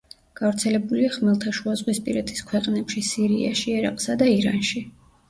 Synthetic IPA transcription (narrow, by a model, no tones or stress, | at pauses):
ɡ̥avɾt̪sʰɛlɛbuliaχmɛlˠt̪ʰaʃuazʁwispʼiɾɛt̪ʰi̥skʰwɛqʼnɛpʃisiɾia̰ʃiɛɾa̰qʼsad̪aiɾa̰nʃi